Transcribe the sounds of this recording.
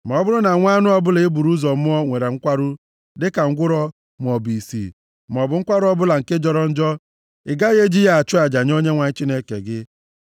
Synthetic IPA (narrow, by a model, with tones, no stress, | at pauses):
m˨ɔ˨˦bʊ˦ɾʊ˦na˨ŋʷa˦nʊ˦ɔ˦bʊ˦le˨e˦bu˨ɾu˦zɔ˨˦ɔ˦ŋʷe˨ɾe˨ŋ̩˦kʷa˦ɾʊ˦ | dɪ˦ka˨ŋ̩˦ɡʷʊ˦ɾɔ˦ | m˨ɔ˨bi˨sḭ˨ | m˨ɔ˨bʊ˨˦ŋ̩˦kʷa˦ɾʊ˦ɔ˦bʊ˦la˨ŋ̩˨ke˦d͡ʒɔ˦ɾɔ˦n̩˦d͡ʒɔ˦ | ɪ̰˨ɡa˦ɣe˦d͡ʒi˦ja˦a˨t͡ʃʊ˦a˨d͡ʒa˨ɲ˦o˦ɲe˦ŋʷa˨ɲ̩˦t͡ʃi˦ne˦kḛ˨ɡɪ˦